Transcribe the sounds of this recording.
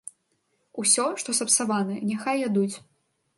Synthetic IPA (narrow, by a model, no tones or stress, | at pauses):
usʲɔʂt̪ɔsɐpsavanɐnʲaxajad̪ut͡sʲ